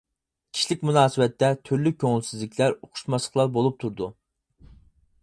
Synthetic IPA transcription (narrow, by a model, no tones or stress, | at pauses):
kʲʰi̥ʃilɪkʲmunɑːsɨwɛt̪ʰːɛt̪ʰyɾlykʲʰøŋɪlsizlɪkʰʲlæɾoqʰʊ̥ʃmɑslˠəχlˠɑɾbolˠup̚t̪ʰuɾd̪u